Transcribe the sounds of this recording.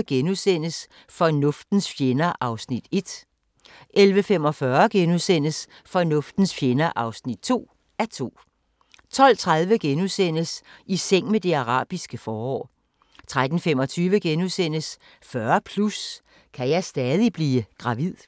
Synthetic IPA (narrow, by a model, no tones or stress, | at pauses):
ɡ̥enusen̰əs | fɒ̽nɔ̽fd̥n̩sfjenɐʔɑ̈ʊsnid̥e̝d̥ | ʔelʋəfem̰ɒ̽fɶɐɡ̥enusen̰əs | fɒ̽nɔ̽fd̥n̩sfjenɐʔɑ̈ʊsnid̥̚t͡sʰo̝̰ː | æɐt͡sʰo̝̰ː | t͡sʰɒ̽l̰t͡sʰʁað̞ˠʋəɡ̥enusen̰əsiseŋ̰med̥e̝ɑ̈ʁɑ̰̈ːb̥isɡ̥əfɒːɒ̰ː | t͡sʰʁad̥n̩fem̰ɒ̽t͡sʰyːʋəɡ̥enusen̰əs | fɶɐpʰlus | kʰæjɑ̈ɪsd̥ɛːð̞ˠib̥liːɡ̥ʁɑ̈ʋið̰ˠ